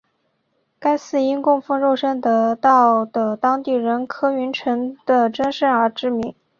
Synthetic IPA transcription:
ka˥ɪsɹ̩˥˩i˥nkʊ˥˧ŋfə˥ŋɻo˥˩ʊʂə˥nt̪ɤ˧˩˥t̪ɑ˥˩ʊd̪ə˩t̪ɑ˥ŋt̪i˥˩ɻə˧˥nkʰɤ˥y˧˥nʈ͡ʂʰɤ˧˥ŋd̪ə˧ʈ͡ʂə˥nʂə˥˩ə˞˧˥ʈ͡ʂɻ̩˥mi˧˥ŋ

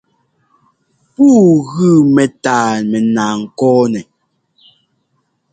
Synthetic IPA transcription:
puː˦ɣɯʉ˦˨mɛ˨taː˨mɛ˨naː˨ŋ̩˨kɔː˦nɛ˨

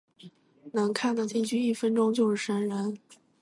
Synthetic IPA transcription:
nɤ˧˥ŋkʰa˥˩nd̪ə˥˩t̪i˥˩t͡ɕʰy˥˧i˥˩fə˥nʈ͡ʂʊ˥ŋt͡ɕjo˥˧ʊʂɻ̩˥˩ʂə˧˥nɻə˧˥n

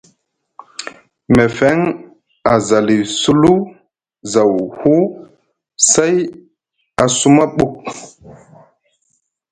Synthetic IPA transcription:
me˨fɛ˦ŋ | a˨za˨li˨su˦lu˦ | za˨whu˦ | se˦j | a˨su˦ma˦ɓu˦˨k̚

